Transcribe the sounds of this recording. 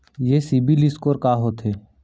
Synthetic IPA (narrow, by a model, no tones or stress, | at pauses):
jeːsiːbiːlɪskoːɾkaːɦoːt̪ɦeː